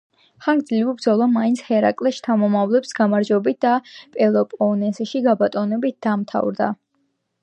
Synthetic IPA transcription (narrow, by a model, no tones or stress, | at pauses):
χaŋɡd̪zlivibd̪zɔlˠamainsʰhɛɾa̰kʼlɛʃt̪ʰamɔmavlɛpsɡamaɾd͡ʒwɛbit̪̚d̪̥apʼɛlˠɔpʼɔnɛsɛʃiɡabat̪ʼɔnɛbit̪̚d̪̥amt̪ʰa̰vɾd̪a̰